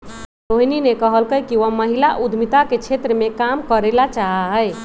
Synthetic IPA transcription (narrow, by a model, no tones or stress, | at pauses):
ɾoɦininekəɦəlkəjkiʋəməɦilaʔud̪ʱmit̪aket͡ʃʰet̪ɾəmekamkəɾelat͡ʃaɦaɦəj